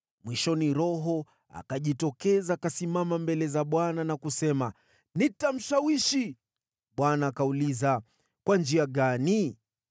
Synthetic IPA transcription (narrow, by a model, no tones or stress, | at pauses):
mwiʃɔniɾɔɦɔ | a̰kaʄitɔkɛzaːkasimamambɛlɛzaɓwananakusɛma | nitam̩ʃawiʃi | ɓwanaːkauliza | kwand͡ʒiaɠani